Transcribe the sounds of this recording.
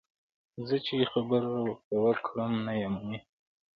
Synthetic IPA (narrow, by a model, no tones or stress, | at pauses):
zət͡ʃexabəɾawəɾt̪awəkɽəmnajamawe